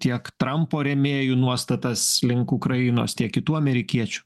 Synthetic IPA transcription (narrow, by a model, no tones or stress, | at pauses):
t̪ʲiɛkt̪ɾɐmpoːɾʲɛmʲeːjuːnuɔst̪ɐt̪ɐslʲɪŋkukɾɐɪno̰ːst̪ʲiɛkkʲɪt̪uːɐmʲɛɾʲɪkʲiɛt͡ʃʲu̥